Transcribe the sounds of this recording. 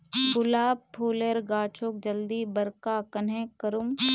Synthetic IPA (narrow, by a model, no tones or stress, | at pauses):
ɡʊlaːuːleɾɡaːt͡ʃok̚d͡ʒəld̪iːbəɾkaːkɐnẽkəɾum